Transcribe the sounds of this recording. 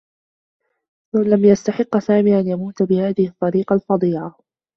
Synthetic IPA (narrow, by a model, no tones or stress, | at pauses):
lalamjast̪aħɪqːsaːmiːʔanjamuːt̪bɪhaːðɪhɪt̪ˤːɑɾiːqɑlfɑd̪ˤiːʕa